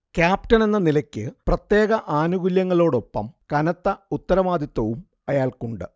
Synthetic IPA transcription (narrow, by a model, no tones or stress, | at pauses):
kjaːp̚ʈɐne̞nːɐnilɐkʲːɨprɐt̪je̞ːɣɐʔaːnuɣuljɐŋːɐɭo̞ːɽo̞pːɐ̰mkɐnɐt̪ːɐut̪ːɐɾɐʋaːd̪ʱit̪ːwɐʋum | ɐjaːlkuɳɖɨ